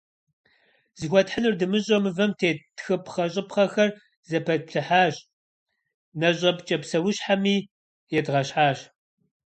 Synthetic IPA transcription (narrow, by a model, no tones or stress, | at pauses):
z̥ɨxʷɔtħənɨrdɨmɨɕʼomɨvɐmtʰeːtxɨpʰχɐɕʼɪpχɐxɐr | zɐpʰɐɬʰɨħaːɕ | nɐɕʼɐpt͡ʃʼɐpsɐwʊɕħamiː | jɛdʁɐɕħaːɕ